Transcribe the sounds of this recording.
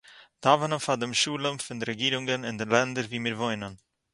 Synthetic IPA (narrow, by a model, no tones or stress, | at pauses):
d̥aːvənənfadəmʃuːlənfɪndiɾɛɡiːɾʊŋɡənɪndɛnlɛndəɾviːmiːɾvɔʏnən